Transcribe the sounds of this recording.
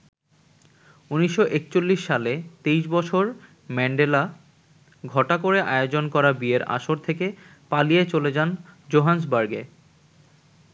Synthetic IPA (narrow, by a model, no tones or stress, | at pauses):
uniʃːoʔekt͡ɕolːiʃːalet̪ejʃbɔt͡ɕʰoɾ | mɛɳɖela | ɡʱɔʈakoɾeʔaeod͡ʑonkɔɾabieɾa̰ʃoɾt̪ʰeke | palijet͡ɕoled͡ʑand͡ʑoɦans̬baɾɡḛ